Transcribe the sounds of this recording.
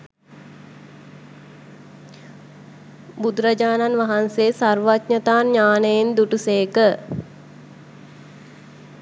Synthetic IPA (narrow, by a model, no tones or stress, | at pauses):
bud̪ɾɐd͡ʒaːnanʋaɦanseːsarʋat̪ɲət̪aːnɲaːnejend̪uʈuseːkə